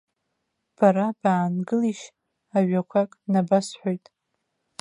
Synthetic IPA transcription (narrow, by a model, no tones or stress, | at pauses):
b̥aɾab̥aːnɡɨliʃ | aɥakʷʰakʼnabasħʷojtʼ